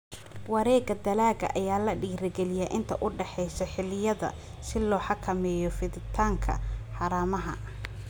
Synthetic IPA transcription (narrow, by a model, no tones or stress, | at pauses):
wɑɾɛːɡɐd̪ɐlaːɣɐ̰ʔɐjaːlɐɖiːɾɪɡɛlɪjaʔɪnt̪ʰɐʔʊɖɛħɛjsɐħɪlɪjɐðɐ̰ | sɪlɔːħɑkʰɐmɛːjɔfɪðɪt̪ʰaːŋkʰɐ̰ħɑːɾaːmɐɦɐ̰